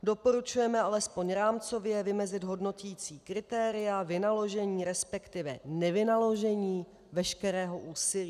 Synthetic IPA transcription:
do̞po̞ɾut͡ʃujɛmɛalɛspo̞ɲɾaːmt͡so̞vjɛvɪmɛzɪd̪ɦo̞dno̞ciːt͡siːkɾɪt̪ɛːɾɪjavɪnalo̞ʒɛɲiːɾɛspɛkt̪ɪvɛnɛvɪnalo̞ʒɛɲiː | vɛʃkɛɾɛːɦo̞ʔuːsɪliː

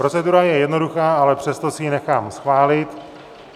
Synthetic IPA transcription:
ɾo̞t͡sɛduɾajɛjɛdno̞duxaːʔalɛpr̝̥ɛst̪o̞sɪjinɛxaːmsxvaːlɪt̪

